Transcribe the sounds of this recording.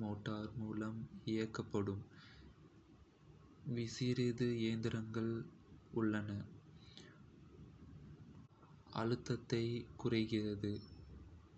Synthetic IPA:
moːʈːaːɾmuːlɐmɪjɐkːɐpːɐɽɯm | ʋɪsɪɾɪðɯeːnd̪ɪɾɐŋɡɐɭ | ʊɭːɐnɐ | ɐ̰ɻɯt̪ːɐt̪ːɐɪkʊrɐɪɣɪrɐðɯ

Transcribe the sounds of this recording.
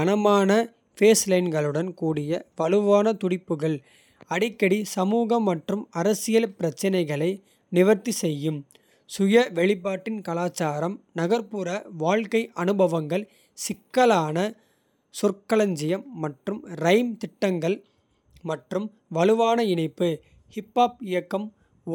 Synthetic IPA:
ɐnɐmaːnɐ | feːslɐɪnɡɐɭɯɽɐnkuːɽɪjɐʋɐɭɯʋaːnɐt̪ʊɽɪpːɯɣɐɭ | ɐɽɪkːɐɽisɐmuːɣɐmːɐʈrɯmɐɾɐsɪjɐlpɪɾɐt͡ʃːɪnɐɪɣɐɭɐɪ | nɪʋɐɾt̪ːisɛjːɯm | sʊjɐʋɛɭɪp̬ːaːʈːɪnkɐlaːt͡ʃːaːɾɐmnɐɣɐɾpuːɾɐʋaːɻkɐɪʔɐnɯbɐʋɐŋɡɐɭ | sɪkːɐlaːnɐ | sʊrkɐɭɐɲd͡ʒɪjɐmːɐʈrɯmɾɐɪmt̪ɪʈːɐŋɡɐɭ | mɐʈrɯm | ʋɐɻɯʋaːnɐɪɳɐɪpːɯ | hɪpːaːp̚ɪjɐkːɐm

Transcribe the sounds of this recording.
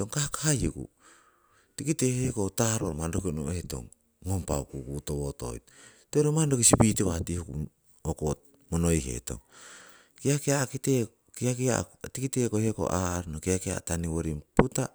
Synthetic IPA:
oŋkahakahajukṵ | tikitehekotaɾo̰ɾmandokino̰eto̞̰ŋː | ompa̰kukutoβoto̞̰jt | toɾomando̞kisipiteβatihuku | okot̚ | monojɦḛto̞̰ŋ | kiakiakite | kiakiatikitekoheko̞̰ʔaɾnokiakia̰taniwo̞ɾimputa

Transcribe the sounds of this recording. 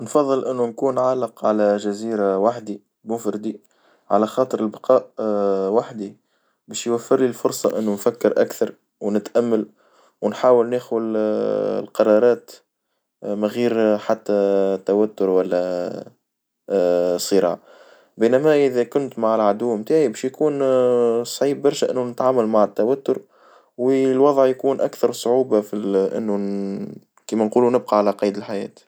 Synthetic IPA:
nfɑðˤːɨlʔɪnːunkuːnʕalːɑqʕalæʒæziːɾawaħd̪i | mʊfɾɪd̪i | ʕalæxɑːt̪ˤəɾɪlbɑqɑːʔwaħd̪i | bæːʃjwafːɪɾlilfʊɾsˤɑʔɪnːunfakːɪɾʔa̰kθɑɾˤ | wnɪt̪ʔæmːal | wnħaːwəlnexwəl̰ | lqɑɾˤɑːɾˤɑːt̪ | mæɣiːɾħat̪ːæt̪ːæwæt̪ːʊɾwælːæ | sˤːɨɾˤɑ̰ːʕ | biːnæmæʔɪðækʊnt̪maʕɪlʕad̪uːmt̪aːʕibɛːʃjkuːn | sˤʕiːbːɑɾˤʃæʔɪ̰nːunɪt̪ʕaːmalmaʕɪt̪ːæwæt̪ːʊɾ | wilwɑðˤʕjkuːnʔakθɑɾˤsˤʕuːbafiʔɪ̰nːu | kiːmænquːlunɪb̚qɑʕalæqɑːjd̪əlħajɛ̰ːt̪

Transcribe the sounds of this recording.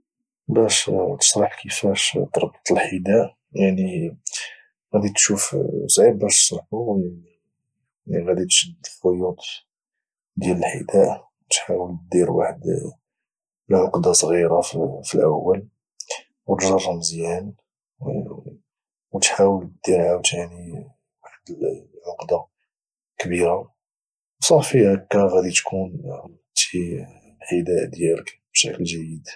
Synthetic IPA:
bæʃt̪ə̥ʃɾˤɑħkʰəfæʃt̪ɑɾˤbt̪ˤəlħid̪æʔ | jaʕni | ɣæd̪it̪ʃufsˤʕibːæʃt̪ə̥ʃɾˤɑħu | iɣæd̪it̪ʃəd̪əfojut̪ˤ | d̪jæləlħḭd̪æʔwt̪ħawəlt̪d̪iɾwa̰ħəd̪ | lʕʊqd̪ɑsˤɣiɾaffilʔəwːəl | wt̪ʒɑrˤːəmzjæn | wt̪ħawəltəd̪̥ːiɾʕawt̪jaʕni | waħd̪ʕoqd̪ɑ | kbiɾa | wsˤɑfiʔəkːɑɣæd̪it̪kʰun | t̪i | lħəd̪æʔd̪jæləkbʃəkəlʒæjːəd̪

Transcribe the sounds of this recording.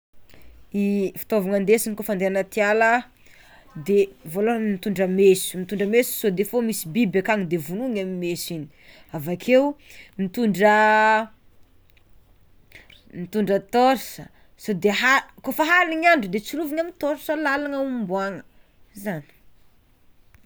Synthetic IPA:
ifi̥t̪ovaŋand̪esinikofand̪eanət̪ialə | d̪evolomit̪uɳɖ͡ʐəmesu̥mit̪uɳɖ͡ʐəmesu̥sod̪efomisibibakaŋid̪evunuŋamimesini̥avakʰewmit̪uɳɖ͡ʐə | mit̪uɳɖ͡ʐət̪oɾsə | sod̪eɦakofəɦaliɲaɳɖ͡ʐud̪et͡suluviɲamit̪oɾsəlalaŋəumbwaŋə | zani̥

